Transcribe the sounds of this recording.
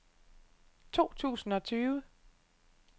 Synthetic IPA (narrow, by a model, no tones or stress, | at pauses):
t͡sʰo̝̰ːt͡sʰṵːsn̩ɒ̽t͡sʰyːʋə